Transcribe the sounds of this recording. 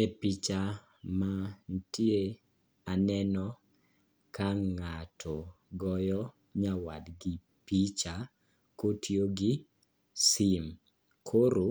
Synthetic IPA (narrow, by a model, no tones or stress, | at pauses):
epit͡ʃa | mantje | anɛnɔ | kaŋatʰɔɡɔjɔ | ɲawa̰dɡɪ | pit͡ʃa | kotʰjoɡɪ | sim | kʰoɾo